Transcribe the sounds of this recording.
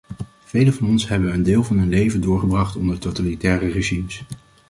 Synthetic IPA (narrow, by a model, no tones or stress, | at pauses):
v̥ejləvɑnɔnsɦɛbənəndɪːlˠvɑnɦɵnlejvəndʊːɹχəbrɑχtɔndəɹtowtalitɛːrəreʒims